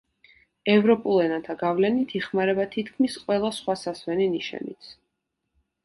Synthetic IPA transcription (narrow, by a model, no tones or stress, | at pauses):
ɛvɾɔpʼulˠɛnat̪ʰaɡavlɛnit̪ʰiχmaɾɛbat̪ʰit̪ʰkʰmisqʼwɛlˠasχwasaswɛniniʃɛ̰nit̪sʰ